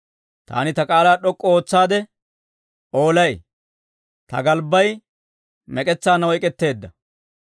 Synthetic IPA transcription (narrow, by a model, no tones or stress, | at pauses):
t̪a̰ːnɪt̪ɐkʼaːlaːɗɔkʼːo̞ːt͡sːaːd̪ɛ | ʔo̞ːlɐj | t̪ɐ̰ɡɐlbːɐj | mɛkʼɛt͡sːaːnɐwɔjkʼɛt̪ːe̞ːd̪ːɐ